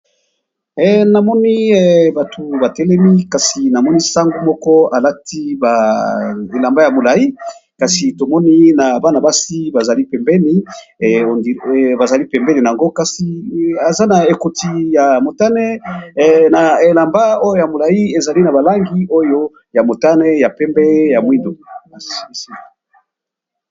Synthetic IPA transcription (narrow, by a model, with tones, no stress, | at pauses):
ɛ˨na˨mɔ˦ni˦ɛ˨ba˨tʰu˨ba˨tɛ˦lɛ˦mi˦ka˨si˨na˨mɔ˦ni˦sa˦ŋɡu˦mɔ˦kɔ˦a˨la˦ti˦ba˨ | e˨la˨mba˦ja˨mo˨la˨i˦ | ka˨si˨to˨mɔ˦ni˦na˨ba˦na˨ba˦si˦ba˨za˨li˦pɛ˨mbɛ˦ni˦˨o˨ndi˨ba˨za˨li˦pɛ˨mbɛ˦ni˨na˨a˨ŋɡo˦ka˨si˨a˨za˦na˨e˨ko˨ti˨ja˨mo˨ta˦nɛ˦ | na˨e˨la˨mba˦o˦jo˦ja˨mo˨la˨i˦e˨za˨li˦na˨ba˨la˦ŋɡi˦o˦jo˦ | ja˨mo˨ta˦nɛ˦ja˨pɛ˦mbɛ˦ja˨mwi˦ndo˨a˨ssi˦˨